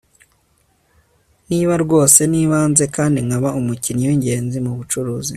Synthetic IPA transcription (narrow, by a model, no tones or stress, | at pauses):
niːβaɾɡwo̞ːse̞niːβaːnze̞kaːndiŋaβaumucinɲuwiɲɟe̞ːnzimuβut͡ʃuɾuːzi